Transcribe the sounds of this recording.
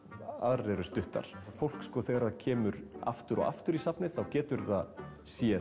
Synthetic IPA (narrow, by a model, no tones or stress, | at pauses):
a̰ðrɛːɾʏst̪ʏht̪a̰ɾ̥fowl̥kskɔθeɣɾacʰɛːmʏɾa̰ft̪ʏɾʔɔ̰ɣa̰ft̪ʏɾisapnɪθawcɛːt̪ʏɾθað | sjɛ